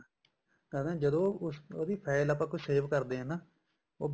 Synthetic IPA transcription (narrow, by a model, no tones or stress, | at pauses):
kɛɾd̪ẽːd͡ʒəd̪õːsoːd̪iːpʰɛːɪlapãːkʊt͡ʃʰseːʋkəɾd̪eːɦɛːnaː | oː